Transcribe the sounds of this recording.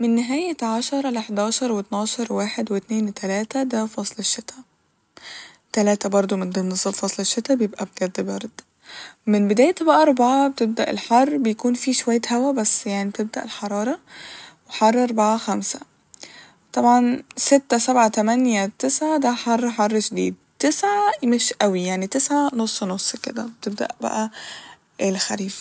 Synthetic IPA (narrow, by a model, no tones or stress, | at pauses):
menːɪɦæːjæʕaʃɑɾˤɑleħd̪ɑːʃɑɾˤwet̪nɑːʃɑɾˤwaːħed̪wet̪neːnt̪ʰælæːt̪æd̪æfɑsˤleʃːet̪ʰæ | t̪ælæːt̪æbɑɾˤd̪ˤomend̪enːesˤɑdfɑsˤleʃːet̪æbejebʔæb̚ɡæd̪ːbɑɾˤd̪ | menbed̪æːjt̪æbæʔæʔɑɾˤbaʕabet̪eb̚d̪æʔḛlħɑrˤːbejækuːnfiːʃowæjːæhæwæbæsːjaʕnib̚t̪eb̚d̪æʔelħɑɾˤɑːɾˤɑweħɑrˤːʔɑɾˤbaʕaxæmsæ̥ | t̪ˤɑbʕɑnset̪ːæsæbʕat̪æmænjæt̪esʕad̪æħɑrˤːħɑrˤːʃd̪ḭːd̪̚ | t̪esʕajmæʃʔæwijaʕnit̪esʕanosˤːnosˤːkḛd̪æ̰bet̪eb̚d̪æ̰ʔbæ̰ʔæ | ʔelxæɾiːf